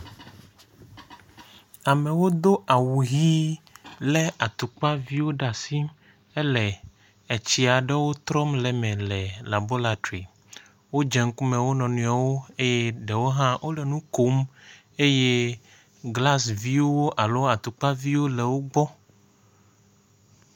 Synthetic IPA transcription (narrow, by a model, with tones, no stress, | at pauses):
a˨me˨wo˦d̪o˦ʔa˨wu˨ɦi˦lɛ˦a˨t̪u˨k͡pa˦vi˦wo˦ɖa˨si˦m | e˦lɛ˨ | e˨t͡ɕi˨a˨ɖɛ˦wo˦t̪ɾɔ˦mlɛ˨mɛ̃˨lɛ˨la˨bo˦la˨t̪ɾi˨ | wo˦d͡ʒɛ˨ŋ̩˦ku˦mẽ˨wo˦nɔ̃˨nũ˨a˨wo˦e˦je˦ɖɛ˨wo˦ɦã˦wʔo˦lɛ˨nũ˦ko˦m | e˦je˦ | ɡla˦svi˦wo˦wo˦ʔa˨lo˦a˨t̪u˨k͡pa˦vi˦wo˦le˨wo˦ɡ͡bɔ˦